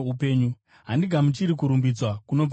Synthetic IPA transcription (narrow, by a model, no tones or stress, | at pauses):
upe̞ːɲu | ɦandiɡʱamut͡ʃiɾikuɾumbid͡zwakuno̞p